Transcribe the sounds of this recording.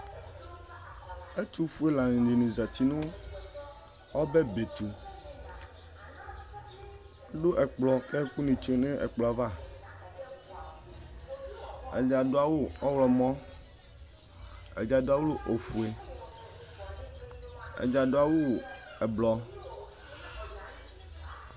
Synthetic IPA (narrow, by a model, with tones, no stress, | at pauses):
e˦t̪u˦fu˦e˦la˨nĩ˨di˨nũ˨za˨t͡ɕi˦nũ˦ | ɔ˦be˦be˨t̪u˨˦ | ɖo˦ʔɛ˨k͡plɔ˨ke˦ku˦nĩ˨t͡ʃo˦nẽ˦ʔɛ̰˨k͡plɔ˨a˨va˦˨ | ɛ̰˨d͡ʒa˨do˦a˨wu˦ɔ˦wlɔ˨mɔ̃˦ | ɛ̰˨d͡ʒa˨do˦a˦wo˦lo˦ʔo˨fu˨e˨ | ɛ̰˨d͡ʒa˨ɖo˨˦a˨wu˦ɛ˨blɔ˨